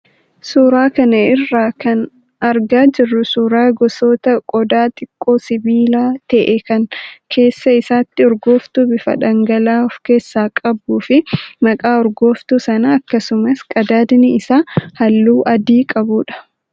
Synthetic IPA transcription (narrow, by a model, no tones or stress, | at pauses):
suːɾaːkɐnɐɪrːaːkɐn | ɐɾɡaːd͡ʒɪrːʊsuːɾaːɡɔsoːt̪ɐkʼɔd̪aːt̪ʼɪkʼːo̞ːsɪbiːlaːt̪ɛʔɛkɐŋkʰe̞ːsːɐɪsaːt̪ːɪɔɾɡo̞ːft̪uːbɪfɐ̰ᶑɐŋɡɐlaːɔfke̞ːsːaːkʼɐbuːfɪmɐkʼaːɔɾɡo̞ːft̪uːsɐnɐɐkːɐsʊmɐskʼɐd̪aːd̪nɪɪsaːhɐlːuːʔɐd̪iːkʼɐbuːᶑɐ̥